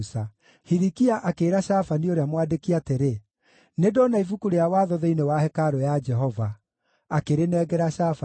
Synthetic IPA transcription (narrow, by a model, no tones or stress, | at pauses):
sa | hiɾikiaʔakeːɾaɕafanioɾeamwadekiateɾe | nedonaifukuɾeawaðɔðɛinewahɛkaɾɔjad͡ʒɛɦɔva | akeɾenɛːɡɛɾaʃafa